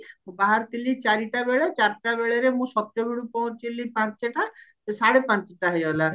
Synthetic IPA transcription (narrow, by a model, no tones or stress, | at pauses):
baɦaɾt̪ilit͡ʃaɾiʈabeɭet͡ʃaɾʈabeɭeɾemũsɔt̪ːjɔɡiɽupɔɦũt͡ʃilipãt͡ʃeʈat̪esaɽepãt͡ʃeʈaɦejɔla